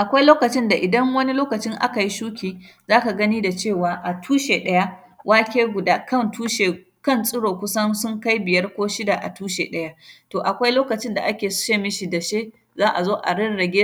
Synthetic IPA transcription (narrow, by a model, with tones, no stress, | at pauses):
ʔa˨kʷa˦jloː˦kɐ˨t͡ʃɪ˦nda˨ʔɪ˨dɐ˦ŋwɐ˦ni˦loː˦kɐ˨t͡ʃɪ˦ŋʔa̰˦ka˨ji˦ʃuː˦kʲiː˨ | zaː˦ka˨ɡɐ˦niː˦da˨t͡ʃeː˦˨waː˨ʔa˨tʰuː˦ʃe˨ɗɐ˦ja˦ | wʔaː˦kʲeː˦ɡʷʊ˨daː˦kɐ˦ntuː˦ʃe˨ | kɐ˦nsʼɪ˦ɽoː˨kʷʊ˦sɐ˦nsʊ˦ŋka˦jbɪ˨jɐ˦rkʷoː˦ʃɪ˦da˨ʔa̰˨tuː˦ʃḛ˨ɗɐ˦ja˦toː˨ʔa˨kʷa˦jloː˦kɐ˨t͡ʃɪ˦nda̰˨ʔa˦kʲeː˨sʃeː˦mɪ˦ʃi˨dɐ˨ʃeː˦ | zaː˦ʔa˨zoː˦ʔa̰˨ɽɪ˦nɽɐ˨ɡʲeː˦